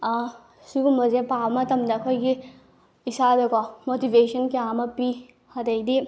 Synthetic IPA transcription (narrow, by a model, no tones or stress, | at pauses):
sukumɔzepamɐt̪ɐmd̪ɐːkʰojɡi | isadekamotibesɐnkiamɐpi | hɐd̪ɐjd̪i